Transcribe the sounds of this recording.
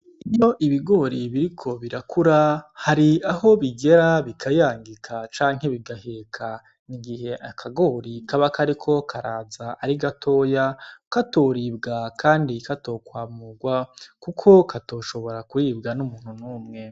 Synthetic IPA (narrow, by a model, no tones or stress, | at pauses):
ijo̞ʔiβiɡo̞ɾiβiɾikʰo̞βiɾakʰuɾahaɾiaho̞βiɡe̞ɾaβikʰajaːŋɡikʰat͡ʃaːŋ̥he̞βiɡahekʰa | niɡihe̞ʔakʰaɡoːɾikaβakaɾikʰo̞kʰaɾaːzaaɾiɡatʰo̞ːjakatoːɾiːb̚ɡakʰaːndikato̞ːkwaːmuɡwakukʰo̞kʰato̞ːʃo̞βo̞ɾakuɾiːbɡanumuːn̥hunuːmŋe̞